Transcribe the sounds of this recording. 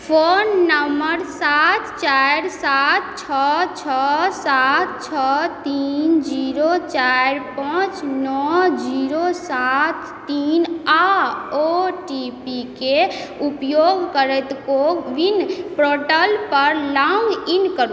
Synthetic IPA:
pʰonːəməɾsat̪ʰt͡ʃaɾsat̪̚ʰt͡ʃʰɔt͡ʃʰɔsat̪̚t͡ʃʰɔt̪ind͡ʒiɾot͡ʃaɾpãt͡ʃnɔd͡ʒiɾosat̪ʰː | inaoʈipikeupjoɡkəɾɛt̪kokʋinpɾoʈəlpəɾlaŋɡinkəɾ

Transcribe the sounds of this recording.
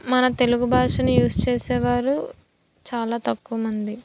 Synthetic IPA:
mɐnɐt̪e̞luɡubʱaːʂɐnujuːst͡ʃeːsɛːʋaːɾu | t͡ʃaːlaːt̪ɐkːuʋɐmɐnd̪i

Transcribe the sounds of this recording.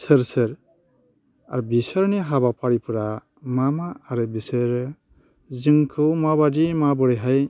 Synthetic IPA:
səɾsɯɾ | aɾubisəɾneɦabapʰaɽipʰuɾa | mamaːɾɯbiseɾ | zɯŋkʰɯwmabadimabɯɽeɦaj

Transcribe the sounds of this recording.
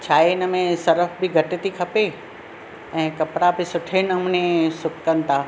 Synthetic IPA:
t͡ʃʰaːenəmẽsɐɾəfbʱiɡʱɐʈet̪ikʰɐpe | ɛ̃ːkɐpɽabʱisʊʈʰenɐmnẽsʊkkənt̪aː

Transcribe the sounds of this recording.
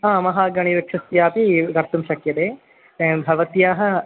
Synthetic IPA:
ãːmɐɦaːɡɐɽ̃iʋɐkʂɐst̪jaːpiɡɐɾt̪umʃɐkjɐt̪eː | ẽbʱɐʋɐt̪jaːɦɐ̆

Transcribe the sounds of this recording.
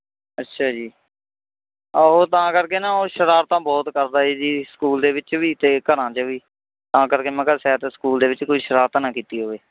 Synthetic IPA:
ətːʃʰaːd͡ʒiː | oːt̪ãːkəɾkeːnãːoːʃəɾaːɾt̪ãːbɔːt̪kəɾd̪aːeːd͡ʒiːskuːld̪eːʋɪt͡ʃʋiːt̪eːkəɾãːt͡ʃəʋiː | t̪ãːkəɾkeːmɛ̃ːkəsɛːt̪eːskuːld̪eːʋɪt͡ʃkoiːʃəɾaːɾt̪aːnãːkiːt̪iːɦoːeː

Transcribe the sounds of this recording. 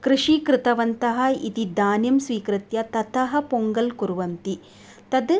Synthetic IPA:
kɾɨʂikɾɪt̪ɐʋɐnt̪ɐɦɐ̆it̪id̪aːnjɐmsʋiːkɾɨt̪jɐt̪ɐt̪ʰɐɦɐ̆poŋɡɐlkuɾʋɐnt̪i | t̪ɐd̪

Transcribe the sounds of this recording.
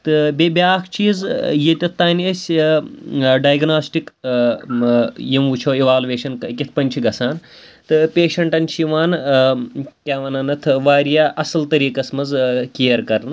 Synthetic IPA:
t̪ɨbʲebʲjaːkʰt͡ʃʰiːzjet̪ʲɐt̪ːaːnʲɐsʲ | ɖaːjɡnaːsʈik | jimʋut͡ʃʰoːiʋaːlʋeːʃɐnkkʲit̪ʰpɐnʲt͡ʃʰiɡɐsaːn | t̪ɨpʲeːʃɐɳʈɐnʲt͡ʃʰiʋaːn | kʲaːʋɐnɐnɐt̪ʰʋaːɾijaːʔɐsɐlt̪ɐɾiːkɐsmɐzkijɐɾkɐɾnɨ

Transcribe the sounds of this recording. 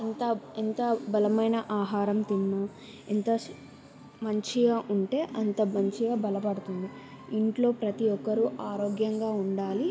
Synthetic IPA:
ɐnt̪ɐint̪ɐbɐlɐmɐjnɐʔaːɦaːɾɐmt̪inːɐ | int̪ɐ | mɐɲt͡ʃiɡaːʔuɳʈe̞ːʔɐnt̪ɐmɐɲt͡ʃiɡaːbɐlɐpɐɽut̪und̪i | iɳʈlo̞ːpɾɐt̪iɔkːɐɾuʔaːɾoːɡjɐŋɡaːuɳɖaːli

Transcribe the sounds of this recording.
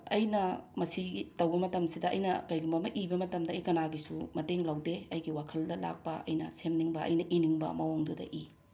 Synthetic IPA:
ɐjnɐmɐsiɡitɐwbɐmɐtɐmsidɐʔɐjnɐkɐjɡumbɐmɐʔibɐmɐtɐmdɐɐjkɐnaɡisumɐteŋlɐwdeɐjɡiwakʰɐldɐla̰k̚pɐɐ̰jnɐ̰semniŋbɐɐ̰jnɐʔiniŋbɐ̰mɐwoŋdudɐ̰ʔi

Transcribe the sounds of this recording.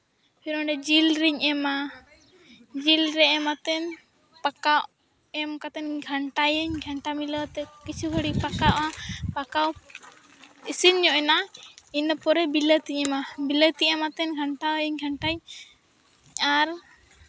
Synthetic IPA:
pʰiɾɔɳɖɛd͡ʒilɾiɲɛma | d͡ʒilɾɛɛmat̪ɛn | pakawʔ | ɛmkat̪ɛnɡʱaɳʈajəɲɡʱaɳʈamiləwt̪ɛkit͡ʃʰuɡʱəɽipakaʔapakaw | isiɲɲɔʔɛnainəpɔɾɛbilət̪iɲɛmabilət̪iɛmat̪ɛnɡʱaɳʈaəɲɡʱaɳʈaj | aɾ

